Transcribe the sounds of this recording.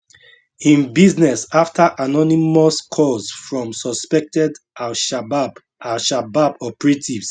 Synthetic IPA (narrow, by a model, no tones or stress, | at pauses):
ĩnbiznɛsaftʰaʔanɔnimɔskʰɔsfɹɔ̃msɔspɛk̚tɛdalʃabab | alʃababɔpɹetʰivs